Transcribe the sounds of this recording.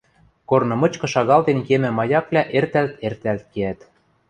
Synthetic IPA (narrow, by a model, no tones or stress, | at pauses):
kornɤ̆mɤ̆t͡ɕkɤ̆ʃɑɣɑlt̪enkemɘ̆mɑjɑkvlʲæʔert̪ælt̪ert̪ælt̪̚keæt̪